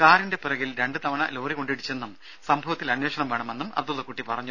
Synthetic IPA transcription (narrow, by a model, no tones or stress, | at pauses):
kaːɾinde̞pirɐɣilɾe̞ɳɖɨt̪ɐʋɐɳɐ̰loːriko̞ɳɖiɽit͡ɕːe̞nːum | sɐmbʱɐʋɐt̪ːilɐnjwo̞ːʂɐɳɐmʋe̞ːɳɐmenːumɐ̰b̚d̪ulːɐkːuːʈːipɐrɐɲːu